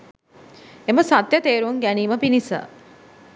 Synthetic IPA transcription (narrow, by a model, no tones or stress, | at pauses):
eməsat̪jət̪eːɾuŋɡæniːməpinisə̰